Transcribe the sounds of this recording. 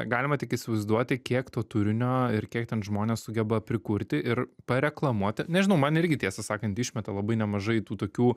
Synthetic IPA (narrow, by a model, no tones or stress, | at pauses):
ɡɑːlʲɪmɐt̪ʲɪkɪsʲɪʋɐɪzd̪uɔt̪ʲɪkʲiɛkt̪oːt̪ʊɾʲɪnʲoːɪrkʲiɛk̚t̪ʲɛnʒmoːnʲeːssʊɡʲɛbɐpʲɾʲɪkʊɾʲt̪ʲɪʔɪɾpɐɾʲɛklˠɐmuɔt̪ʲɪnʲɛʒʲɪnɐʊmɐnɪɾʲɡʲɪt̪ʲiɛsɐsɑːkɐnt̪ɪʃʲmʲɛt̪ɐlˠɐbɐɪnʲɛmɐʒɐɪt̪uːt̪oːkʲuː